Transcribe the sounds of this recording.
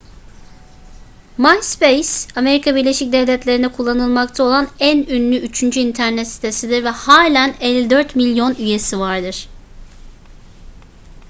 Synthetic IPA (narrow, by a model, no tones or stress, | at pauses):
majspejsame̞ɾikʰabiɾlʲe̞ʃic̚d̪evlʲɛt̪lʲe̞ɾinɛkʰulˠːanɯlˠmakt̪ʰao̞lˠanænynlʲyyt͡ʃʰynd͡ʒyint̪ʰæɾnɛt̪si̥t̪ʰe̞sid̪iɾvɛhaːlʲænɛlʲːid̪øɾt̪milʲjo̞nyje̞sivaɾd̪ɯɾ̥